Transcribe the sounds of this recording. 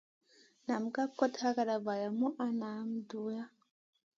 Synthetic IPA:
na˨m˨ɡa˦ko˦tha˦ka˨ɾa˨βa˨ja˨mu˦ʔa˦na˨˦m˨du˦ja˦

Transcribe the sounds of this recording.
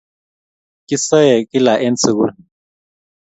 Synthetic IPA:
ki˦sɔ˦jɛ˨ki˦la˨ʔɛ˦nt͡sʰu˨ku˦ɾ

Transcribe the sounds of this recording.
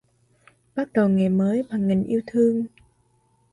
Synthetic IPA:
ɓa˦˥k̚ɗə˨˩wŋe˨˩məː˨˦jɓaː˨˩ŋŋï˨˩ŋ̟ʔi˧əwt̪ʰɨ˧əŋ

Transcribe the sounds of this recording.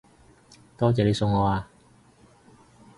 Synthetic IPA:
t̪ɔː˥t͡sɛː˨le˧˥sʊ˧ŋːɔː˧aː˧

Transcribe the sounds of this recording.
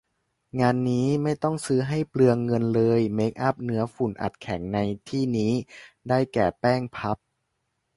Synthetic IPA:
ŋaː˧nːiː˦˥ma˥˩jt̪ɔ˥˩ŋsɯː˦˥ɦa˥˩jplɯ˧əŋːɤ˧nlɤː˧jme˦˥k̚ʔa˦˥p̚nɯ˦˥ɐfu˨˩nʔa̰˨˩t̪̚kʰɛ˩˦ŋna˧jt̪ʰiː˥˩niː˦˥daː˥˩jkɛː˨˩pɛː˥˩ŋpʰa˦˥p̚

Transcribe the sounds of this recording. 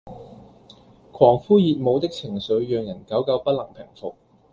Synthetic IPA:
kʰwɔː˨˩ŋfuː˥jiː˨˧t̚mo˨˧wt̪ɪ˥k̚t͡sʰɪ˨˩ŋsɵ˨˧ɥjœː˧ŋjɐ˨˩nkɐ˨˥wkɐ˨˧˥wpɐ˥t̚lɐ˨˩ŋpʰɪ˨˩ŋfo˨k̚

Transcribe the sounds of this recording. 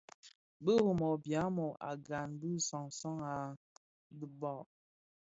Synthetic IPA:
bə˦ɣo˨mɔ˨bja˨˦mɔ˨a̰˨ɡa˨nbi˦sɔ˨ŋsɔ˦ŋa˨ | də˨bɔ˦˨

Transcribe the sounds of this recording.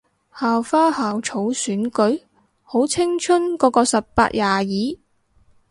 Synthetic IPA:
haː˨wfaː˥haː˨wt͡ʃʰo˨˥wsyː˨˥nkɵ˨˥ɥ | ho˨˥wt͡sʰɪ˥ŋt͡ʃʰɵ˥nkɔː˨˧˥kɔː˧sɐ˨p̚pa̰ː˧t̚jaː˨˩jiː˨˥

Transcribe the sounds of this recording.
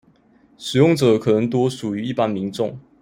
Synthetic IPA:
ʂɻ̩˨˩jʊ˥˩ŋʈ͡ʂɤ˨˩˦kʰɤ˨˩nə˧˥ŋt̪wɔ˥ʂu˨˩y˧˦i˥˩pa˦nmi˧˥ŋʈ͡ʂʊ˥˨ŋ

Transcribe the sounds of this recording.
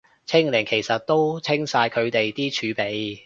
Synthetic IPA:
t͡sʰɪ˥ŋlɪ˨˩ŋkʰe˨˩jsɐ˨t̚t̪o˥wt͡sʰɪ˥ŋsaː˧jkʰɵ˨˧ɥt̪e˨jt̪iː˥t͡ʃʰyː˨˧pe˨˧j

